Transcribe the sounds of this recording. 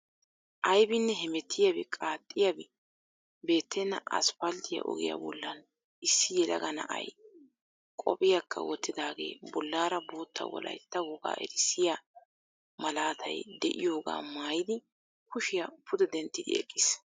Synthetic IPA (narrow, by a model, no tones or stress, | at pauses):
ʔɐjbɪnːɛɦɛmɛt̪ʰːɪjɐbɛkʼaːt̪ʼːɪjabɪ | be̞ːt̪ʰːɛnːɐ̰ʔɐ̰spɐld̪ɪjɐ̰ʔɔ̰ɡɪjɐ̰bɔlːɐn | ɪsːɪjɛlɐ̰ɡɐnɐ̰ʔɐ̰j | kʼɔ̰pʼɪjakʰːɐ̰wɔt̪ːɪd̪aːɡe̞̰ːbɔlːaːɾɐbo̞ːt̪ʰːɐ̰wɔ̰lɐ̰jt̪ːɐwɔɡa̰ːʔɛ̰ɾɪsːɪja | mɐlaːt̪ʰɐ̰jd̪ɛʔɪjo̞ːɡa̰ːmaːjɪd̪ɪ | kʊʃɪjɐpʰʊd̪ɛd̪ɛnt̪ːɪd̪ɪ̰ɛ̰kʼːɪs